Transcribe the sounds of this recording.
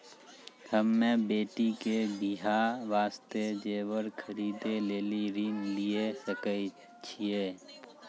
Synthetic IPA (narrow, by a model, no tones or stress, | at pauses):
həmːẽbeːʈikeɡiɦaʋaːst̪ed͡ʒeːwəɾkʰəɾiːd̪eleːliɾinliesəkə | t͡ʃʰieː